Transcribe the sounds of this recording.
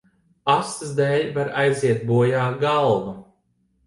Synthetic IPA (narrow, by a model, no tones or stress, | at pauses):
ast̪zd̪ɛːlʲvaɾajziɛt̪̚buɔjaːɡalˠvu